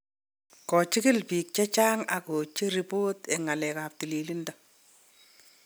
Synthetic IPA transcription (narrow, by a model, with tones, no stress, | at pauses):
kɔ˨t͡ʃɪ˦kɪ˦lpi˨k̚t͡ʃɛ˦t͡ʃa˦ŋa˨ko˨t͡ʃi˦ɾi˨po˦te˨ŋa˨lɛ˨ka˨p̚ti˨li˨li˦ndɔ˦